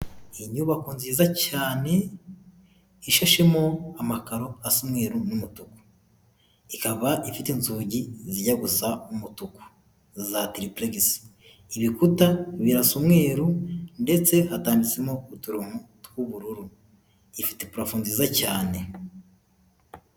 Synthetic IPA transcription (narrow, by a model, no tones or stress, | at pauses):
iɲuβakuːnzizacaːne̞ | iʃaʃemo̞amakaɾo̞asumŋe̞ːɾunumutuku̥ | ikaβaʔifitenzuːɟiziɟaɡusaumutuku̥ | zatiɾipleɡis | iβikutaβiɾasumŋe̞ːɾunde̞t͡se̞hataːndit͡semoutuɾomutkuβuɾuɾu | ifi̥tepuɾafuːnzizacaːne̞